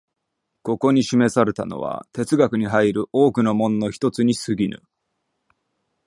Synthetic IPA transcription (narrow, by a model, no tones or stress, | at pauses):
ko̞ko̞ɲ̟iɕime̞saɾe̞t̪a̰no̞̰βa̰t̪e̞t͡sɨɡakɯ̟ɲ̟iɦaiɾɯ̟ʔo̞ːkɯ̟no̞mõ̞nːo̞çi̥t̪o̞t͡sɨɲ̟isɨɡʲinɯ̟̰